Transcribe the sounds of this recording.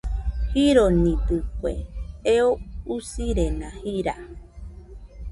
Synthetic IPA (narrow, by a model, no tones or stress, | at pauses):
hiɾonĩd̪ɨkʷḛeousiɾenãhiɾa